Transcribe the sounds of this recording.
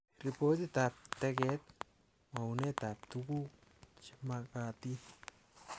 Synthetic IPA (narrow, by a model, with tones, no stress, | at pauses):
ɾi˨po˦t̪i˦t̪a˧p̚t̪e˧ɡe˦t̪̚ | ma˨u˧ne˦t̪a˨p̚t̪u˧ɡu˦t͡ʃima˧ka˧t̪i˦